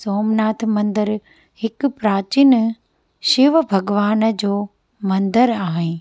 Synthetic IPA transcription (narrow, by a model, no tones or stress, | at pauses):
soːmnaːt̪ʰmɐ̃nd̪əɾ | hɪk̆pɾaːt͡ɕin | ʃɪʋbʱɐɡʋaːnd͡ʑoː | mɐ̃nd̪əɾaːɦɪn